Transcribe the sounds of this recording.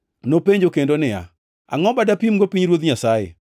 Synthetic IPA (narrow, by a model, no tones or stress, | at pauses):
nopeɲd͡ʒokendonɪja̰ | a̰ŋɔbadapimɡopiɲɾwot̪̬ɲasajḛ